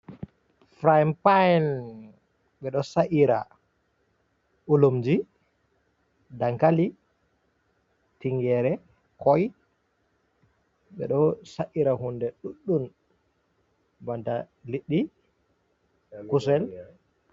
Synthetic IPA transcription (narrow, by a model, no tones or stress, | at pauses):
fɾajmpajn | ɓɛɗɔsaʔiɾa̰ | ʔulumd͡ʒi | daŋkali | tiŋɡɛɾɛ | kɔj | ɓɛ̰ɗɔsaʔiɾaɦundɛɗuɗːum | banta | liɗːi | kusɛl